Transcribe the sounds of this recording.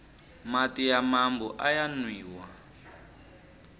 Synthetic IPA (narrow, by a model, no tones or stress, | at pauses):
matijamambuʔajanwiːwa